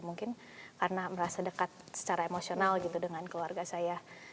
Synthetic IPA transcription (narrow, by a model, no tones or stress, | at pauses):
muŋkɪn | karnaməɾasadəkat̪̚sə̥t͡ʃaɾaemosionalɡit̪udəŋankluarɡasaja